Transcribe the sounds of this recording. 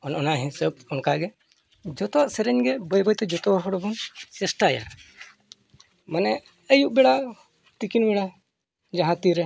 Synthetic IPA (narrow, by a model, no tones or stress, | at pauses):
ɔnʔɔnaɦɛ̃səb̚ɔnkaɡɛ | d͡ʒɔt̪ɔwaʔsɛɾɛɲɡɛbɔjbɔjt̪ɛd͡ʒɔt̪ɔwaɦɔɽɔbɔŋsɛsʈaja̰ɾ | manɛ | əjuʔbɛɽa | t̪ikinbɛɽa | d͡ʒaɦãt̪iɾɛ